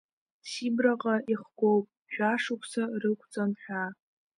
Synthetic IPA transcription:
sibraqʼaʔiχɡʷowpʼ | ʒʷᶣaʂukʷʰsarɨkʷʰt͡sʼanħʷᶣa

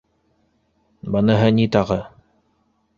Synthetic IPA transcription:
bɤnɤɦɤnit̪ɑʁɤ

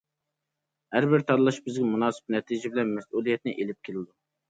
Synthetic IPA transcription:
hæɾbɪɾt̪ʰɑɾlˠɑʃbɪzɡʲɛmunɑːsɨ̥p̚nɛt̪ʰid͡ʒibɪlɛnmɛsʔulˠijɛt̪nɪʔelɪp̚kʲʰelɪd̪u

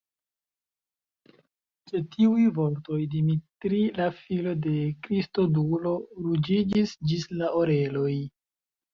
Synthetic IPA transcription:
se̞tʰiujvo̞ɾto̞jdimitɾilafilo̞de̞kɾisto̞dulo̞ɾud͡ʒid͡ʒisd͡ʒislaʔoɾe̞lo̞j

